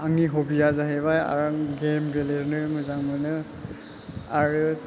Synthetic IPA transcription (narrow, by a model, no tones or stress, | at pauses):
aŋiɦobijazaɦɛbaja̰ɹɔɡemɡeleɹnɯmɔzaŋmɔnɯ | aɹu